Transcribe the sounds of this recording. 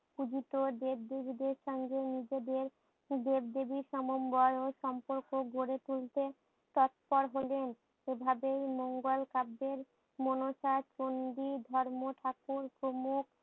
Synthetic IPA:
kud͡ʑiʈ̪od̪eb̚d̪ebʱid̪eɾʃɔŋɡenid͡ʑed̪eɾ | d̪eb̚d̪ebiʃɔmombɔɾoʃɔmpoɾkoɡʱoɾet̪ult̪e | t̪ɔt̪̚pɔɾɦolen | ebʱabejmoŋɡolkabːeɾ | monoʃat͡ɕond̪id̪ʱɔɾmoʈʰakuɾpɾomuk

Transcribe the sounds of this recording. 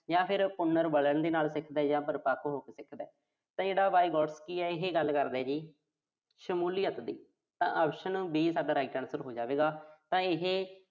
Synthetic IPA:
jãːpʰɪɾpʊnːəɾbələɳd̪eːnaːlsɪkʰd̪ɛːd͡ʒãːpəɾpaːkʰɦoːkeːsɪkʰd̪ɛː | t̪ãːd͡ʒeːɽaːbaːiɡɔːɖskiːɛːɪɦeːɡəlkəɾd̪ɛːd͡ʒiː | ʃəmuːlɪjət̪d̪iː | t̪ã̰ːʔaːpʃənːbiːsaːɖaːɾaːiʈɛːnsəɾɦoːd͡ʒaːʋeːɡaːt̪ãːɪɦeː

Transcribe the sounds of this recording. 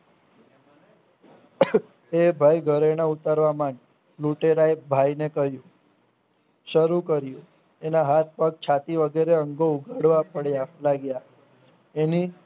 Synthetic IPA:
ebʱajɡʱəɾeñaut̪əɾʋamaɳ | luʈeɾajbʱajnekəɦjũ | ʃəɾukəɾjũ | enaɦat̪̚pək̚t͡ʃʰat̪iʋəɡeɾeəŋɡouɡʱaɽʋapəɽjalaɡja | eni

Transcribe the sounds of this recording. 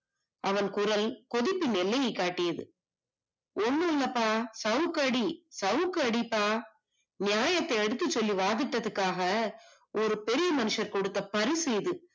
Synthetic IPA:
ɐʋɐnkʊɾɐlkɔðɪpːinɪlːɐjɐɪkːaːʈːɪjɐðɯ̰ | ʔɔnːɐnɐpːaːsɐʋkːɐɽisɐʋkːɯɐɽipːaː | nɪjaːjɐt̪ːɐɪɐɽɯt̪ːɯt͡ʃːɔlːiʋaːðɪʈːɐðɐkːaːɣɐ | ʔɔɾɯpɛɾɪjɐmɐnɯʂɐɾkɔɽɯt̪ːɐpɐɾisɛjðɯ

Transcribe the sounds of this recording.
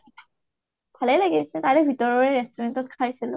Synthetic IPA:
pʰaleleɡesʰet̪aɾebʱit̪ɔɾɔɾeɾestʰɔɾentɔt̪̚kʰajsilo

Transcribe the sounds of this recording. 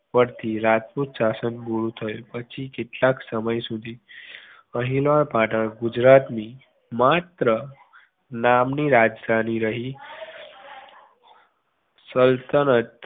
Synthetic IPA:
pəɾt̪ʰiɾat̪put̪sasənbuɽut̪ʰəjopət͡ʃʰikɪʈlaksəməjsud̪ʱi | əɦilʋaɭpaʈəɭɡud͡ʒɾat̪ni | mat̪ɾə | namniɾad͡ʒd̪ʱaniɾəɦi | səlt̪ənət̪

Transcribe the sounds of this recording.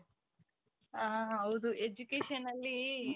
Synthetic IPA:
aːɦɐwud̪uʔed͡ʒukeːʂɐnɐlːi

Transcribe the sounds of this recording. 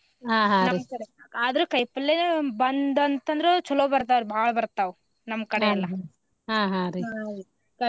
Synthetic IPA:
ɦãːɦanɐimkɐɽeaːd̪ɐɾukɐjpɐlːebɐnd̪ɐnt̪ɐnd̪ɾet͡ʃɔlobɐɾt̪aːbaːɭɐbɐɾt̪ːaʋ | nɐmːkɐɽeɐlːɐ | ɦãːɦãɾi | ɐ

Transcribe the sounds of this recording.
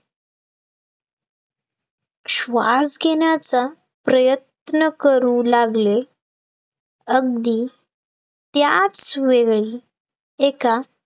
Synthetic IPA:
ɕʋa̰sɡʱeɳjat͡sa | pɾəjət̪̚nəkəɾuːlaɡle | əɡd̪iː | t̪jat͡sʋeɡɭi | eka

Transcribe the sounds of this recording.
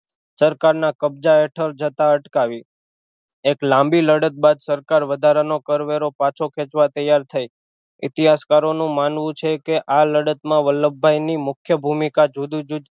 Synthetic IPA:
səɾkaɾnakəb̚d͡ʒaɛʈʰəɾd͡ʒət̪aəʈkaʋi | eklãmbiləɽət̪̚bad̪səɾkaɾʋəd̪ʱaɾanokəɾʋeɾopat͡ʃʰokʰɛ̃t͡ʃʋat̪əjaɾt̪ʰaj | ɪt̪iɦaskaɾonũmanʋũt͡ʃʰekeʔaləɽət̪mãʋəlːəbʱːajnimʊkʰjəbʱumikad͡ʒud̪ud͡ʒud̪

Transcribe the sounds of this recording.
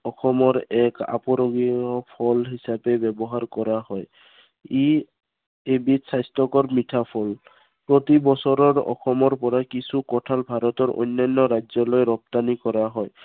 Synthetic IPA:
ɔxɔmɔɹɛka̰pɔɾoɡiɔpʰɔlɦisapɛbɛbɔɦaɹkɔɹaɦɔj | i | ebitsajstɔkɔɹmitʰapʰɔl | pɹot̪ibɔsɔɹɔɹɔ̰xɔmɔɹpɔɹakisukɔtʰalbʱaɾɔt̪ɔɹʔo̰jnːajnːɔɾajzɔlojɾɔp̚t̪anikɔɹaɦɔj

